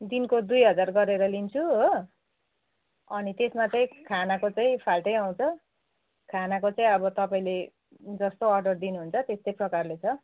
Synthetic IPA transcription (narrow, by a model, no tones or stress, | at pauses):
d̪inkod̪ujɦʌd͡zarɡʌɾeɾʌlint͡sʰuɦo | ʌnit̪esmat͡sãĩkʰanakot͡saĩpʰalʈʌjaw̃t͡sʰʌ | kʰanakot͡saĩʌbʌt̪ʌpaĩle | d͡zʌst̪oʌrɖʌrd̪inuɦunt͡sʰʌt̪est̪ʌjprʌkarlet͡sʰʌ